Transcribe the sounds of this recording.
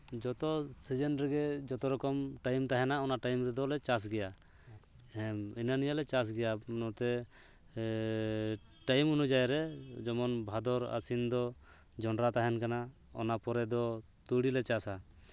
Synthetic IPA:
d͡ʒɔt̪ɔsid͡ʒɛnɾɛɡɛd͡ʒɔt̪ɔɾɔkɔmʈajmt̪aɦɛnaɔnaʈajmɾɛd̪ɔlɛt͡ʃas̬ɡɛja | hɛminanijalɛt͡ʃas̬ɡɛjanɔt̪ɛ | ʈajmunud͡ʒajɾɛd͡ʒɔmɔnbʱad̪ɔɾa̰sind̪ɔ | d͡ʒɔnɾat̪aɦɛnkana | ɔ̰napɔɾɛd̪ɔ | t̪uɽilɛt͡ʃasa

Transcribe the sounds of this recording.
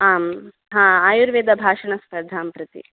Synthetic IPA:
aːm | ɦãːaːjuɾʋeːd̪ɐbʱaːʂɐɳɐspɐɾd̪ʱaːmpɾɐt̪ḭ

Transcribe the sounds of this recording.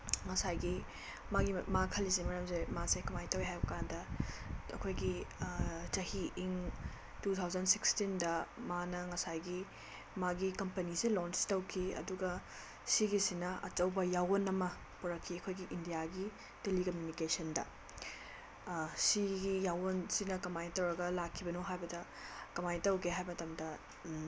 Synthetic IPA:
ŋɐsajɡi | maɡimakʰɐlisemɐɾɐmzemasekʰumajtɐwiɦajbɐkandɐ | ɐ̰kʰojɡi | d͡ʒɐhiːŋ | tut̪ʰawzɐndsikstindɐmanɐŋɐsajɡi | maɡikɐmpɐnisilɔnstɐwkʰiɐ̰duɡɐ | siɡisinɐɐ̰t͡ʃɐwbɐjawɐnɐmɐ | puɾɐkʰːiɐkʰojɡiʔindijaɡi | telikɐmjunikesɐndɐ̰ | siɡijawnsinɐkɐmajtɐwɾɐɡɐlakʰːibɐnoɦajbɐdɐ | kɐmajtɐwɡeɦajmɐtɐmdɐ

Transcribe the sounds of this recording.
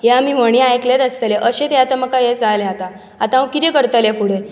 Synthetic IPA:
jeamim̤əɳ̃ĩajkled̪ast̪əleʔəɕẽt̪eat̪aməkajed͡zaleɦat̪a | at̪ãkit̪ekəɾt̪əlefuɽe

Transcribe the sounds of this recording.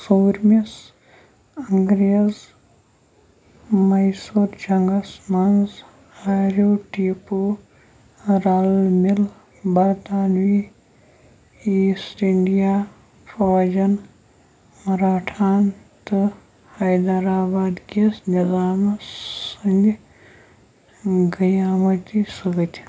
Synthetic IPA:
suːɾmis | ɐŋɡɾijɐz | mɐjsuɾd͡ʒɐŋɡɐsmɐnz | aːɾoːʈiːpoː | ɾaːlmɪl | bɐɾt̪aːnʋi | iːsʈiɳɖijaː | pʰɐʋɐd͡ʒɐn | mɐɾaːʈʰaːnt̪ɨ | hɐjd̪aɾaːbaːd̪kesnizaːmsɐnd͡ʒ | ɡɐjaːmɐt̪ʲisuɡɐt̪ʲ

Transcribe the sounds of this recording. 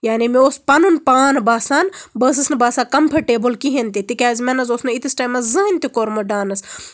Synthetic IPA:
jaːnimiospɐnunpaːnbaːsaːnbəːs̬ɨsnɨbaːsaːkɐmpʰɐɾʈeːbɨlkiɦent̪it̪ikʲaːzʲmɐnɐsoːsnɐit̪isʈaːjmɐszɨɦint̪ikoːɾmɐɖaːnɐs

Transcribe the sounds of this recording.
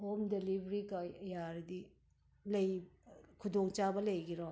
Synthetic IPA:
homdelibɾikajaɾdi | lɐjkʰudoŋt͡ʃabɐlɐjɡiɾɔ

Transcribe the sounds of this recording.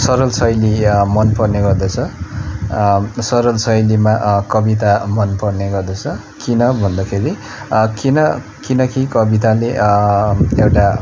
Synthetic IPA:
sʌɾʌlsʌjlimʌnpʌrneɡʌrd̪ʌt͡sʰʌ | sʌɾʌlsʌjlimaʔkʌbit̪amʌnpʌrneɡʌrd̪ʌt͡sʰʌ | kinʌbʱʌnd̪akʰeɾi | kinʌ | kinʌkikʌbit̪ale | ewʈa

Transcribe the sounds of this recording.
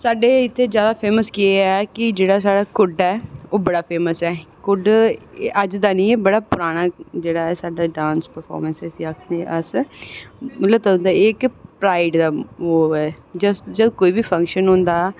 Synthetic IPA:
saːɖeːɪt̪ʰːeːd͡ʒjaːd̪aːpʰeːməskieɛːkɪd͡ʒeːɽaːsaːɖaːkʊɖɛːoːbəɽaːpʰeːməsɛːkʊɖʔəd͡ʒd̪aːnĩːeːbəɽaːpʊɾaːɽ̃aːd͡ʒeːɽaːɛːsaːɖaːɖãːnspəɾpʰɔ̰ːɾmənsəsĩːaːkʰneʔəs | mət̪ləbt̪aːʊ̃nd̪aːɪkpɾaːɪɖd̪aːoːɛːd͡ʒəsd͡ʒəd̪koːiːbiːpʰə̃ŋkʃənɦʊ̃ːnd̪aː

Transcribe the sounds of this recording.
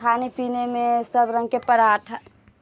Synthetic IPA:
anipinemẽsəbɾə̃ŋɡkepəɾaːʈʰə

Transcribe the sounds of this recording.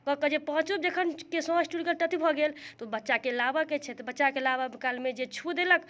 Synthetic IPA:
kɔkəd͡ʒepəɦt͡ʃub̚d͡ʒekʰənkesɔ̃sʈuɽikəlʈət̪ʰibʱɔɡelt̪ɔbətːʃakelabəket͡ʃʰɛt̪ɔbətːʃakelabəbkalmed͡ʒet͡ʃʰud̪elək

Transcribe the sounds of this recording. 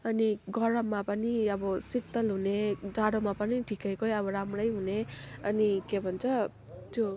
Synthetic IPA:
ʌniɡʌɾʌmːapʌniʌbʌsit̪ːʌlɦuned͡zaɽomapʌniʈʰikʌjkʌjʌβʌɾamrʌjɦuneʌnikebʱʌnt͡sʰʌ | t̪jo

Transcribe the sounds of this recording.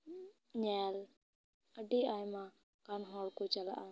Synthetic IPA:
ɲɛːl | əɖiajmã | kanɦɔlkɔt͡ʃəla̰ʔa

